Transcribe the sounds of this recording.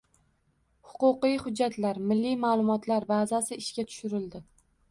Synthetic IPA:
hʊ̥qʊqijhʊd͡ʒːat̪laɾmɪlːijmaːlˠʊmɒt̪laɾbazasɪɪʃkʲat̪ʰʊ̥ʃɪɾɪld̪ɪ

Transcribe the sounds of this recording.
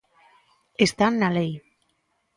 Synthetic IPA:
est̪anːalej

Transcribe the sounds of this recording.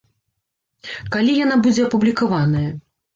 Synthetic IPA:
kalʲijan̪abud͡zʲɛɐpublʲikavanɐjɐ

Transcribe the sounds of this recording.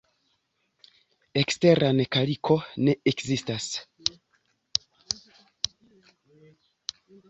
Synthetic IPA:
e̞kste̞ɾʔane̞kalikʰo̞ne̞ekzistas

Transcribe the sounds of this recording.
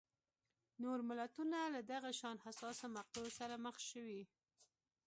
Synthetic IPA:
noɾmɪlat̪unalad̪aɣaʃɑnhasɑsamaq̚t̪aosaɾaməxʃəwi

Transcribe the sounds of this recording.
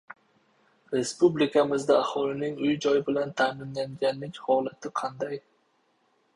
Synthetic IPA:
ɾe̞spublɪkʰʲamɪzd̪aːhɒlɪnɪŋʊjd͡ʒɒjɪbɪlant̪ʰamɪnlaŋɡʲanlːɪkʲhɒlat̪ʰɪqʰɑnd̪aj

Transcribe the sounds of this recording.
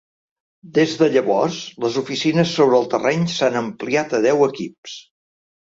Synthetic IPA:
d̪ezðəʎəβɔrzləzufisinəsːoβɾəːlˠt̪ərɛɲsanəmpliat̪əð̞ɛwəkips

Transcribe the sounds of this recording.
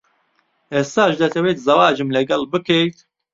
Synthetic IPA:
ɛsaːʃd̪ɐt̪ʰɛweːt̪zɐwaːd͡ʒɨmlɛɡɐlbɨkejt̪

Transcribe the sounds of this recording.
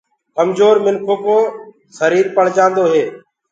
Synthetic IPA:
kəmzoːɾmɪnkʰoːkoː | səɾiːɾpəɽ̤d͡ʒãːnd̪oːɦeː

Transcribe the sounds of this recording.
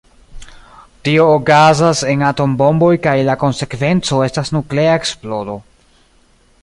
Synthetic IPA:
tio̞ːkazase̞nato̞mbo̞mbo̞jkajlako̞nse̞kve̞nt͡so̞e̞stasnukle̞aeksplo̞ɾo̞

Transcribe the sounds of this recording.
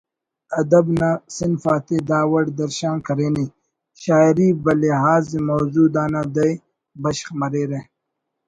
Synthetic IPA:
ɐd̪ɐbnasɪnfaːt̪ed̪aːwɐɽd̪ɐɾʃãːnkɐɾeːni | ʃaːiɾibɐleɦaːzimowzuːd̪aːnad̪ɐj | bɐʃχmɐɾeːɾe

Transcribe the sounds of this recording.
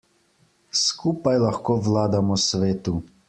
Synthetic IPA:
skuːpajlaxkoːʋlaːd̪amɔsʋeːt̪u

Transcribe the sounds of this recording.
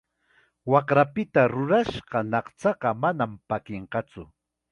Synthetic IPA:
wɑqɾapɪt̪aɾʊɾaʃɢɑnɑχt͡sɑɢɑmanampakeɴqɑt͡sʊ̰

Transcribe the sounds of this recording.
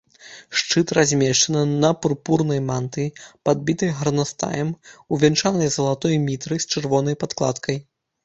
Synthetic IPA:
ʂt͡ʂɨt̪razʲmʲɛʂt͡ʂɐnɨnɐpurpurnɐjmant̪ɨpad̪̚bʲit̪ɐjɣɐɾnast̪a̰jɛmuvʲɛnt͡ʂanɐjzɐlˠat̪ɔjmʲit̪ɾɨsʲt͡ʂɨrvɔnɐjpat̪klˠa̰t̪kʰɐj

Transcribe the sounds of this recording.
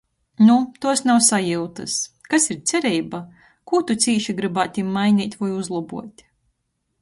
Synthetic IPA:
nut̪uɔsnawsajiwt̪ɨskasiɾt̪sʲɛɾɛjba | kuːt̪ut̪siːʃiɡɾɨbaːt̪ʲimːajnʲiːt̪ʲvajuzlˠabuɔt̪ʲ

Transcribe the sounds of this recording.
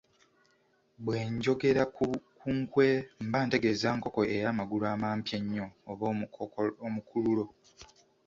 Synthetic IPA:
bwe̞ːɲɟo̞ɡe̞ɾakʰuŋkwe̞mbaːnte̞ɡezaːŋko̞ko̞eɾaːmaɡulaːmaːmpjaɲːo̞ːβ | omukʰululo̞

